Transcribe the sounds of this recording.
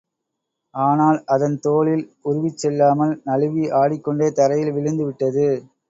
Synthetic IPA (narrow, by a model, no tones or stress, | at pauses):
ʔaːnaːlʔɐðɐnt̪oːlɪlʊɾʊʋɪt͡ʃːɛlːaːmɐlnɐɻɯʋiʔaːɽɪkːɔɳɖeːt̪ɐɾɐjɪlʋɪɻɯnd̪ɯʋɪʈːɐðɯ